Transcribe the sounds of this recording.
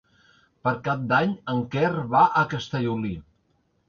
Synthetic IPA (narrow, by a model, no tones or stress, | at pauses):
pəɾkap̚d̪aɲəŋkɛrβaʔəkəst̪əʎuli